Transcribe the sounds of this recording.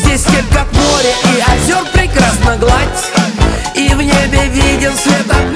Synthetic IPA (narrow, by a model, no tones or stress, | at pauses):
zʲdʲesʲtʲelʲkakmoɾʲɪʔiazʲorpɾʲɪkɾasnəɡlˠatʲ | ivnʲebʲɪvʲidʲɪmsvʲet̪ə